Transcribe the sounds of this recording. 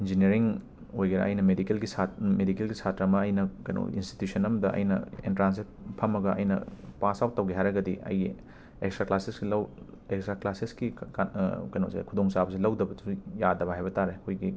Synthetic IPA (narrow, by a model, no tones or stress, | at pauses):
ind͡ʒinieɾiŋ | ojɡɐɾɐ̰ʔɐ̰jnɐmedikelɡisamedikelɡisʰatɾɐmɐːjnɐkɐjno̰ḭnsti̥tjusʰɐnɐmɐdɐʔɐ̰jnɐ̰ḛntɾans̬ipʰɐmːɐɡɐʔɐ̰jnɐ̰pasawt̚ːɐwɡiɦajɾɐɡɐdiɐ̰jɡi | ḛkstɾaklasesɡilɐw | ekstɾaklasesɡi | kɐjno̰wsḛkʰudoŋsabɐs̬ilɐwdɐbɐdujadɐβɐɦajbɐtaɾekʰojɡi